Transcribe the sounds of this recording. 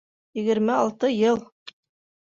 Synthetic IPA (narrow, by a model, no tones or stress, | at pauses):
jɘ̆ɡɘ̆ɾmɘɑlˠt̪ɤjɤlˠ